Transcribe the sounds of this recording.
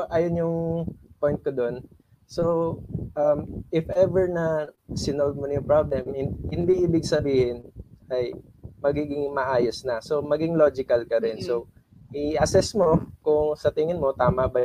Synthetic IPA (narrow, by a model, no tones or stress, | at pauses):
ʔɐjonjʊŋpojnt̪̚kod̪o̞n | soʔɐmʔɪfʔɛvɛɹnɐsɪnold̪̚monjʊŋpɹablɛmhɪhɪnd̪iʔɪbɪɡ̚sɐbiːhɪnʔɐj | mɐɡiːɡɪŋmɐʔaːjosnɐso̞mɐɡɪŋlo̞d͡ʒɪkɐlkɐɾɪnso̞ | ʔɪʔɐsɛsmo̞kʊŋsɐt̪ɪŋɪnmo̞t̪aːmɐbɐj